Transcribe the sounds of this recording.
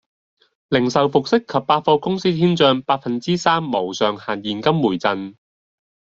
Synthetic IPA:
lɪ˨˩ŋsɐ˨wfʊ˨k̚sɪ˥kʰːɐ˨p̚ːaː˧t̚fɔː˧kʊ˥ŋsiː˥t̪ʰiː˥nt͡sœː˧ŋpaː˧t̚fɐ˨nt͡siː˥saː˥mːo˨˩wsœː˨ŋhaː˨˩njiː˨˩nkɐ˥mːuː˨˩jt͡sɐ˨˧n

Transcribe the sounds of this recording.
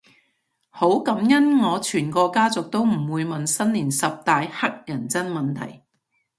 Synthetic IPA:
ho˨˥wkɐ˨˥mjɐ˥nŋɔː˨˧t͡ʃʰyː˨˩nkɔː˧kaː˥t͡sʊ˨k̚t̪o˥wm̩˨˩wuː˨˧jmɐ˨nsɐ˥nliː˨˩nsɐ˨p̚t̪aː˨jhɐ˥k̚jɐ˨˩nt͡sɐ˥nmɐ˨˩nt̪ʰɐ̰˨˩j

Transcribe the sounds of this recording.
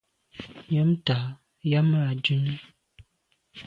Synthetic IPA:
ja˦mta˨ | ja˦maː˦˨d͡ʒu˦nə˦

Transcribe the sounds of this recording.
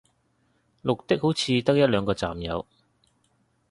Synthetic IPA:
lʊ˨k̚t̪ɪ˥k̚ho˨˥wt͡sʰiː˨˧t̪ɐ˥k̚jɐ˥t̚lœː˨˧ŋkɔː˧t͡sa̰ː˨mjɐ˨˧w

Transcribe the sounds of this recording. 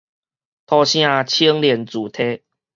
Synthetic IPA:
t̪ʰɔ˧ɕj̃ã˦˧t͡ɕʰi˦ŋljɛ˨˩nt͡su˨˩t̪ʰe˦

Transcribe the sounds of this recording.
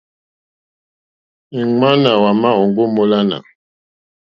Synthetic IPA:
i˨ŋ͡ma˦na˨wa˨ma˦o˨ŋɡo˦mo˦la˦na̰˨

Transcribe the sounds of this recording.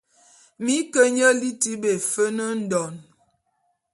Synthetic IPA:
mi˨˦kə˦ɲə˦li˦ti˦be˨fə˦nə˦n̩˦dɔ˨n

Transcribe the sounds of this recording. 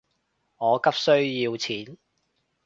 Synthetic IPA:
ŋɔː˨˧kɐ˥p̚sɵ˥ɥjiː˧wt͡sʰiː˨˥n

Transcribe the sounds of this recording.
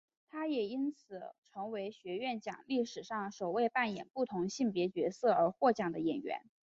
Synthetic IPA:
t̪ʰa˥jɛ˨˩i˥nt͡sʰɹ̩˨˩ʈ͡ʂʰɤ˧˥ŋwe˧˥ɪɕɥɛ˧˥ɥɛ˥˩nt͡ɕjɑ̰˨˩˦ŋli˥˩ʂɻ̩˨˩ʂɑ˥˩ŋʂo˨˩ʊwe˥˧ɪpa˥˩njɛ̰˨˩npu˥˩t̪ʰʊ˧˥ŋɕi˥˩npjɛ˧˥t͡ɕɥɛ˧˥sɤ˥˩ə˞˧˥xwɔ˥˩t͡ɕjɑ˨˩ŋd̪ə˦jɛ˨˩nɥɛ̰˧˥n

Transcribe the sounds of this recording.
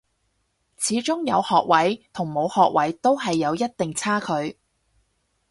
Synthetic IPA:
t͡sʰiː˨˧˥t͡sʊ˥ŋjɐ˨˧whɔː˨k̚wɐ˨˥jt̪ʰʊ˨˩ŋmo˨˧whɔː˨k̚wɐ˨˥jt̪o˥wɦɐ˨jːɐ˨˧wjɐ˥t̚t̪ɪ˨ŋt͡sʰaː˥kʰɵ˨˧ɥ

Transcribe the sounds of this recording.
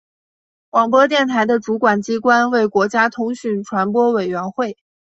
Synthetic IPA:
wɑ˨˩ŋp̬wɔ˥t̪̬jɛ˥˩nt̪ʰa˧˥ɪd̪ə˧ʈ͡ʂu˧˥kwa˨˩nt͡ɕi˥kwa˥nwe˥˩ɪkwɔ˧˥t͡ɕja˥t̪ʰʊ˥ŋɕy˥˩nʈ͡ʂʰwa˧˥npwɔ˥we˨˩ɪɥɛ˧˥nxwe˥˩ɪ

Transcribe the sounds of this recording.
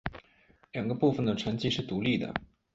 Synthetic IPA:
ljɑ˨˩ŋɡə˦pu˥˩fə˩nd̪ə˩ʈ͡ʂʰə˧˥ŋt͡ɕi˥ʂɻ̩˥˩t̪u˧˥li˥˩d̪ə̰˩

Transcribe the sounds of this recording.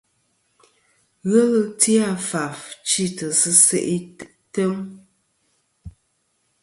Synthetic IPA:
ɣə˦lti˦a˦˨fa˨ft͡ʃi˦˨tə˨sɨ˦se˨ʔi˦t | tə˦m

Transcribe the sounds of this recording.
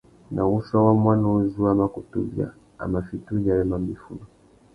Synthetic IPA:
nʔa˨u˦ʃa˦wa˦mwa˦nu˦zu˦a˦ma˨ku˨tu˦bja̰˨ | a̰˨ma˨fitu˦ʄa˨ɛ˦ma˨mi˨fu˦nɔ˨

